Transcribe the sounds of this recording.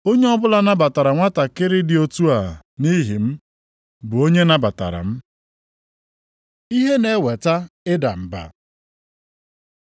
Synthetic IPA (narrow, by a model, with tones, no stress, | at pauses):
o˦ɲe˦ɔ˦bʊ˦la˦na˦ba˨ta˨ɾa˨ŋʷa˦ta˨kɪ˦ɾɪ˦dɪ˨o˨tu˦a˨ | ni˦ɦi˨m̩˦ | bʊ˨o˦ɲe˦na˨ba˨ta̰˨ɾa̰˨m̩˦ | i˦ɦe˦ne˨˦we˨ta˦ɪ˦da̰˨m̩˨ba̰˨